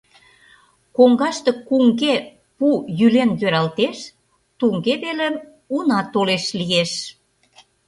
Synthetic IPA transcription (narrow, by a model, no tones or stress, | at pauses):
koŋɡɑʃt̪ekuŋɡe | pujylenjøɾɑlt̪eʃ | t̪uŋɡeβelĕm | unɑt̪oleʃlijeʃ